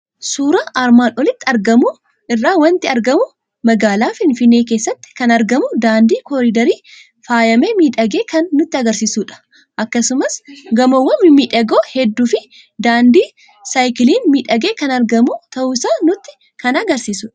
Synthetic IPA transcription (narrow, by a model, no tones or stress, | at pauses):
suːɾɐʔaɾmaːnʔɔlɪt̪ːɪɐɾɡɐmu | ʔɪrːaːwɐnt̪ɪɐɾɡɐmʊ | mɐɡaːlaːfɪnfɪnːe̞ːke̞ːsːɐt̪ːɪ̥kɐnɐɾɡɐmʊd̪aːnd̪iːkɔɾid̪ɐɾiː | faːjɐmeːmiːᶑɐɡe̞ːkʰɐnːʊt̪ːɪɐɡɐɾsiːsuːᶑɐ̥ | ʔɐkːɐsʊmɐsɡɐmɐwːɐnːɪmiːᶑɐɡoːhɛd̪ːuːfɪ | d̪aːnd̪iː | sajkɪliːnmiːᶑɐɡe̞ːkɐnɐɾɡɐmut̪ɐʔʊsaːnʊt̪ːɪ̥ | kɐnɐɡɐɾsiːsʊᶑɐ̥